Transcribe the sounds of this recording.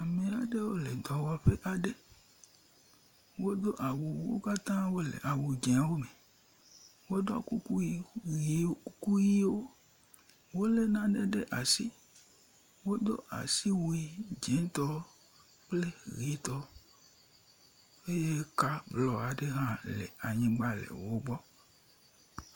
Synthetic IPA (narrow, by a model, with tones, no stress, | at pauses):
a˨mẽ˨a˨ɖe˦wo˦le˨d̪ɔ˨wɔ˨a˨ɸe˦ʔa˨ɖe˦ | wo˦d̪o˦ʔa˨wu˨wwo̰˦ka˦t̪ã˦wo˦lḛ˨ʔa˨wu˨d͡ʒẽ˨a˨wo˦me˨ | wo˦d̪ɔ˦ku˦ku˦ji˦i˨˦ku˦ji˦wo˦ | wo˦le˦nã˦ɖe˦ɖe˦ʔa˨si˦ | wo˦d̪o̰˦ʔa̰˨si˦wo˦i˦d͡ʒẽ˨˦t̪ɔ˦ | k͡ple˦ɣi˨˦t̪ɔ˦ | e˦je˦ka˦blɔ˨a˨ɖe˦ɦã˦lḛ˨a˨ɲĩ˦ɡ͡ba˦lḛ˨wo˦ɡ͡bɔ˦